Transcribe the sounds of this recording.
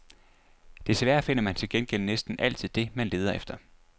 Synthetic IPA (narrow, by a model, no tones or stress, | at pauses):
d̥e̝sʋæɐfe̝n̰ɐmænt͡sʰe̝lɡ̥enɡ̥el̰ənesd̥n̩ʔæl̰t͡sʰið̰ˠd̥e̝mænle̝ːð̞ˠɐefd̥ɐ